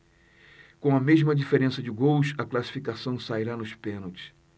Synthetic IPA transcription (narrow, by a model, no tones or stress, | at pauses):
kõw̃ɐmeʒmɐd͡ʒifeɾẽsɐd͡ʒɪɡowʃɐklasi̥fikasɐ̃w̃saiɾanʊspẽnowt͡ʃɪ̥s